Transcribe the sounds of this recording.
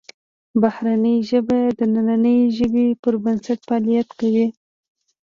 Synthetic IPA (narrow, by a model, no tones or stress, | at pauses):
bahɾanəjʒəbajd̪ənananəjʒəbepəɾbənsaʈfɑlijat̪kawi